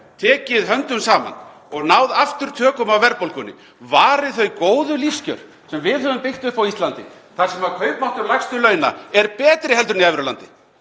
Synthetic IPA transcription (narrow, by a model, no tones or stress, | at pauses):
t̪ʰɛːcɪðɦœnt̪ʏmsaːma̰n | ɔɣnaːwðaft̪ʏɾ̥t̪ʰœːkʏmawvɛɾpowlkʏnːɪ̰ | vaːɾɪðθœɥkoːwðʏliscœ̰ɾ̥ | sɛmvɪðhœvʏmpɪht̪ʏfawist̪lant̪ɪ̰ | θaɾsɛmaɾkʰœːɥpmaht̪ʏɾlajkst̪ʏlœːɥna̰ɛɾpɛːt̪ɾɪhɛlt̪ʏɾniajvɪɾʏla̰nt̪ɪ